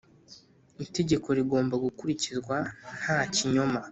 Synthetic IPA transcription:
ite̞ɟe̞ko̞ɾiɡo̞ːmbaɡukuɾicizɡwan̥haciɲo̞ma

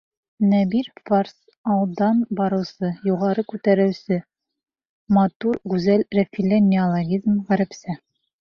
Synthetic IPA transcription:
næbiɾfars | ɑlˠd̪ɑnbɒɾɤ̆wsɤjuʁɑɾɤkʉt̪æɾɘ̆wsɘ | mɑt̪uɾɡʉzælɾefʲilʲenʲːɪolˠoɡʲizmʁæɾɘ̆psɘ

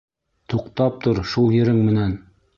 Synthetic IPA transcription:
t̪ʰuqt̪ɑp̚t̪oɾʃulˠjɘ̆ɾɘŋmɘ̆næn

